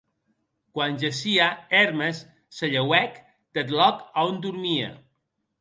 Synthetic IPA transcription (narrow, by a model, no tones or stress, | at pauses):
kwanʲʒesiaɛɾmesː | eʎewɛk | d̪̥et̪̬lɔkaond̪uɾmia̰